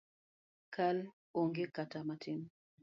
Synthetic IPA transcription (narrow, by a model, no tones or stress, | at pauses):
kal | oŋɡekatamatɪm